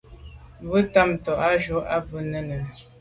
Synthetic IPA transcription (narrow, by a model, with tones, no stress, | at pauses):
bə˦ta˦mtɔ˨ʔa˦ʒo˨˦a˦bə˦nə˦nə˨